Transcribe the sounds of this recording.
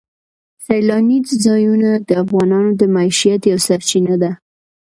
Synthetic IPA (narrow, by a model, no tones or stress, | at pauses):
sajlɑnizzɑjunad̪əafɣɑnɑnod̪əmaiʃijat̪jawsaɾt͡ʃinad̪a